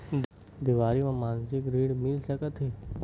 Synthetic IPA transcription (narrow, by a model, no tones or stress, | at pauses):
d̪ɪʋaːɾimãmaːnd͡ʒɪkɾiːɽmɪlsəkət̪ɦeː